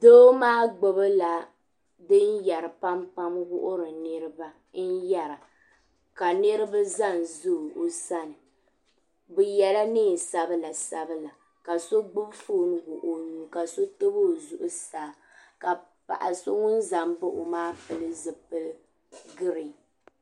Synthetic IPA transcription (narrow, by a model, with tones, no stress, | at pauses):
doː˦maː˦ɡ͡bo˦bɨ˦la˨ | dɨ˦n˦ja˨ɾɨ˨pa˦mpa˦mɡʊ˦ʔʊ˦ɾɨ˨nɨ˦ɾɨ˦ba˦ | n̩˦ja˨ɾa˨ | ka˨nɨ˦ɾɨ˦ba˦za˦˨n˨zu˦˨o˨sa˦nɨ˨ | bʊ˨jɛ˦la˦nɨ˦˨sa˦bɨ˦la˨sa˦bɨ˦la˨ | ka˨so˦ɡ͡bʊ˦bfoː˦nɨ˦ɡʊ˨ʔʊ˦nu˨˦ka˨so˦tɨ˦bo˦˨zʊ˨ʔʊ˦saː˨˦ | ka˨ | pa̰˨ʔa˨so˦ŋʊ˦nza˨mbɨ˦ʔo˨maː˦pɨ˨lɨ˦zɨ˨pɨ˦l | ɡɨ˦ɾɨ˨